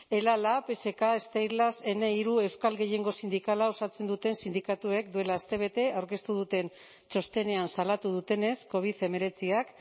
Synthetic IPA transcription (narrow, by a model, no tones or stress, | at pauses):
e̞lalape̞se̞kaest̪ajɾlase̞ne̞iɾue̞wskalɣe̞je̞ŋɡo̞sind̪ikalao̞sat͡se̞nd̪ut̪e̞nsind̪ikat̪ue̞kd̪ue̞laːst̪e̞β̞e̞t̪e̞awɾke̞st̪uð̞ut̪e̞n | t͡ʃo̞st̪e̞ne̞ansalat̪uðut̪e̞ne̞sko̞β̞iθe̞me̞ɾe̞t͡siak